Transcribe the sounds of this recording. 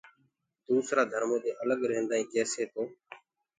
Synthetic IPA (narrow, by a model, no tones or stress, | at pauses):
d̪uːsɾaːd̪ʱəɾmõːd̪eːʔələɠɾeːnd̪aːĩːkɛːseːt̪oː